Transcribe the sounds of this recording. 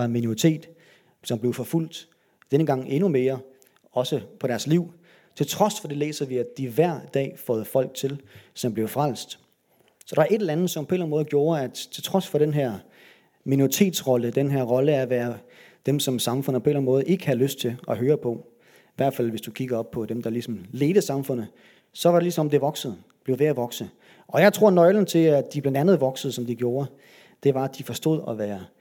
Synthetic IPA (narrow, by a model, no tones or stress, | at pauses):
ɑminoʁit͡sʰe̝̰ːd̥ | sɒ̽mb̥le̝ʊfɒ̽ful̰d̥ | d̥enəɡ̥ɑ̈ŋ̰e̝nume̝ːɐ | ɒ̽səpʰɒ̽ɾæɐsliʊ̰ | t͡sʰe̝lt͡sʰʁɒ̽sfɒ̽d̥e̝le̝̰ːsɐʋiæd̥iʋæɐ̰d̥ɛ̰ːfɒ̽ːð̞̩ˠfɒ̽l̰ɡ̥̚t͡sʰe̝lsɒ̽mb̥le̝ʊfʁal̰sd̥ | sɒ̽ɾ̥ɑ̈æɐe̝̥elænð̩ˠsɒ̽mpʰɒ̽e̝læn̩mɔ̽ːð̞̩ˠɡjo̝ːɐæt͡sʰe̝lt͡sʰʁɒ̽sfɒ̽ɾ̥enɦæɐ̰ | minoʁit͡sʰe̝̰ːd̥sʁɒ̽ləd̥enɦæɐ̰ʁɒ̽ləæɐʋæːɐ | d̥emsɒ̽msɑ̈mfɔ̽n̰̩ˠpʰe̝læn̩mɔːð̩ˠe̝ɡ̥əhæløsd̥̚t͡sʰe̝lɒ̽ɦøːɐpʰɒ̽ | iʋæɐd̥fæl̰ʋe̝sd̥ukʰiɡ̥ɐɒ̽b̥̚pʰɒ̽d̥emd̥ɑ̈lisɒ̽mle̝ːð̥əsɑ̈mfɔ̽n̰ð̩ˠ | sɒ̽ʋɑ̈ɾelisɒ̽mɒ̽md̥e̝ʋɒ̽ɡ̥səð̩ˠ | b̥leʊʋeæʋɒ̽ɡ̥sə | ɒ̽jɑ̈ɪt͡sʰʁo̝ɐ̰nɒ̽ɪln̩t͡sʰe̝æd̥iblænd̥ænð̞̩ˠʋɒ̽ɡ̥səð̩ˠsɒ̽md̥iɡ̥jo̝ːɐ | d̥e̝ʋɑ̈æ̥ifɒ̽sd̥o̝ð̞̰ˠɒʋæːɐ